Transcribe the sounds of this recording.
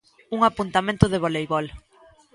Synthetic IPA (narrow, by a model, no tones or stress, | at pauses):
uŋapunt̪amẽnt̪ʊðɪβ̞olejβɔl